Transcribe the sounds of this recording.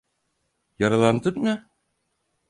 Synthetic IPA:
jaɾalˠand̪ɯnja

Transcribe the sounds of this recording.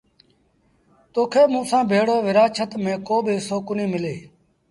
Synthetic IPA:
t̪oːkʰeːmũːsãːbʱeːɽoːʋɪɾaːt͡ʃʰət̪mẽːkoːbʱiːsoːkʊnĩːmɪleː

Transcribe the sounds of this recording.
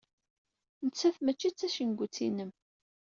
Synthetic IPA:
nət͡sːæθmət͡ʃːit͡sːæʃənɡʷut͡sːḭnəm

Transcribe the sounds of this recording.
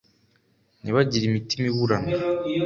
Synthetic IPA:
niβaɟiɾimitimiβuɾana

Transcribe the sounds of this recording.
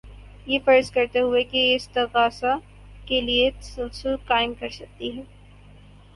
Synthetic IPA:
jefɐɾəskɐɾt̪eɦʊekeɪsd̪ɐɣaːsa | keliesʊlsɪlkaːɪmkɐɾsɐk̚t̪iɦɛː

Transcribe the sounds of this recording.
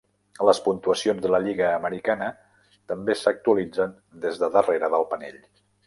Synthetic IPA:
ləspunt̪uəsionzðələʎiɣəːməɾikanə | t̪əmbesək̚t̪uəlid͡zən | d̪ezðəðəreɾəðəlˠpənḛʎ

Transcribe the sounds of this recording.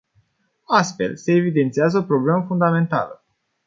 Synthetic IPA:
ast̪fe̞̰lse̞ːvid̪e̞nt̪siazəopɾo̞ble̞məfund̪ame̞nt̪a̰lə̰

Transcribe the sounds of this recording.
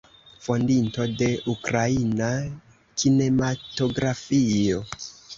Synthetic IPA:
fo̞ndinto̞de̞ʔukɾaina | kine̞mato̞ɡɾafio̞

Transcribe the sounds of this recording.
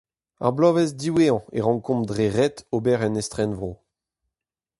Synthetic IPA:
a̰ʁblɔvɛzdiweɑ̃eʁɑ̃ŋkɔ̃mdʁeʁɛtobɛʁɛnɛst̪χɛnvʁo

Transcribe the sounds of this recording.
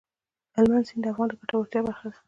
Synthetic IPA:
almansind̪əafɣɑnd̪əkaʈawaɾt̪jɑbaɾxas

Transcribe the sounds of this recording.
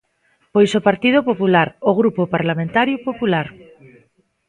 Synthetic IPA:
pojsopaɾt̪ið̞opopulaɾoɣɾupopaɾlamẽnt̪aɾjopopulaɾ

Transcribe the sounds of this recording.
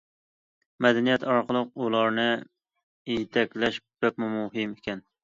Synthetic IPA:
mɛd̪ɛnijɛt̪ʰɑɾqʰəlˠəqulˠɑɾnɨ | ejt̪ʰɛkʲlæʃb̥ɛp̚mʊmuhɪmɪkʲʰɛn

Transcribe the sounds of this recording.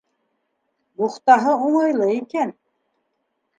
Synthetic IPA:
buχt̪ɑɦɤuɴɤjlˠɤikæn

